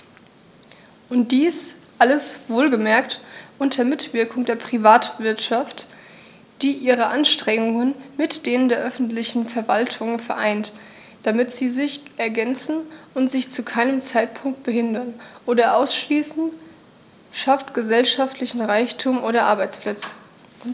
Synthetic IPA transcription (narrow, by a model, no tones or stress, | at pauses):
ʔʊnt̚d̥iːsʔaləsv̥oːlɡəmɛɐktʔʊntʰɐɐmɪtv̥ɪɐkʰʊŋdeːɐpʁ̥ivaːtv̥ɪɐtʃaft | d̥iːʔiːʁəʔanʃtʁ̥ɛŋʊŋənmɪtd̥eːnəndeːɐʔœfn̩tlɪçn̩fɛɐvaltʰʊŋfɛɐʔaɪnt | d̥amɪtz̥iːzɪçʔɛɐɡɛnt͡sn̩ʔʊntz̥ɪçt͡sukʰaɪnəmt͡saɪt̚pʰʊŋk̚t̚b̥əhɪndɐnʔoːɾɐʔaʊsʃliːsn̩ | ʃaftɡ̥əzɛlʃaftʰlɪçn̩ʁaɪçtʰuːmʔoːɾɐʔa̰ɐbaɪt͡spʰl̥ɛt͡sə̥